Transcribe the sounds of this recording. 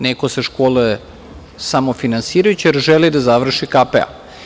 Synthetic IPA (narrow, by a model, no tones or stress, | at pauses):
nekoseʃkoːlue | samofinansiːɾajut͡ɕijeɾʒelid̪azaʋr̩ʃikapḛa̰